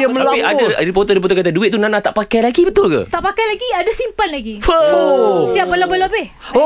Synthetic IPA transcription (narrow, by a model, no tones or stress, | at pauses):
jaməlaadaip̬ot̪odip̬ot̪okat̪̬aduɪt̪̚t̪unanãt̪aʔpakajlaɡibət̪ʊlka̰t̪aʔpakajlaɡiadasimpanlaɡioosiap̚bəlabəlabɪh